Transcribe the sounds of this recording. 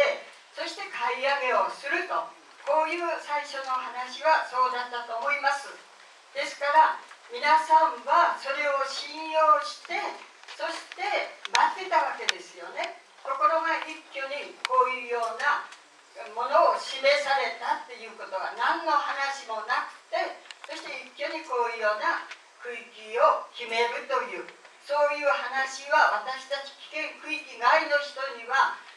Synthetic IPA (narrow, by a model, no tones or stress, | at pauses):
e | so̞ɕi̥t̪e̞kʰaiame̞o̞sɨɾɯ̟t̪o̞ | ko̞ːjɯ̟ːsaiɕo̞no̞ɦanaɕiɡaso̞ːd̪ant̪ːat̪o̞oimasɨ | d̪̥e̞sɨ̥kaɾamʲinasãɰ̃βaso̞ɾe̞o̞ɕĩɰ̃jo̞ːɕi̥t̪e̞so̞ɕi̥t̪e̞mat̪ːe̞t̪aβake̞d̪e̞sɨjo̞ne̞ | k̪o̞ko̞ɾo̞ɡaʔikʲːoɲ̟iko̞ːjɯ̟ːjo̞ːna | mo̞no̞ːɕime̞saɾe̞t̪at̪ːe̞jɯ̟ːko̞t̪o̞ɡanãnːo̞hanaɕimo̞nakɯ̟̥t̪e̞so̞ɕi̥t̪e̞ikʲːjo̞ɲ̟iko̞ːjɯ̟ːjo̞ːna | kɯ̟ikʲio̞kʲime̞ɾɯ̟t̪o̞jɯ̟ː | so̞ːjɯ̟ːhanaɕiβaβat̪aɕi̥t̪at͡ɕi̥kʲi̥kẽ̞ŋkɯ̟ikʲiɡaino̞çi̥t̪o̞ɲiβa